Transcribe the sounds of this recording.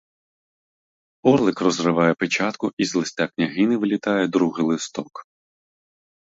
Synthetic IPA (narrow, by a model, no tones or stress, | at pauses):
ɔrlˠɪkrɔzrɪʋɑjɛpet͡ʃɑt̪kʊʔizlˠɪsʲtʲaknʲɐɦɪnɪʋɪlʲit̪ɑjɛd̪ɾuɦɪlˠɪst̪ɔk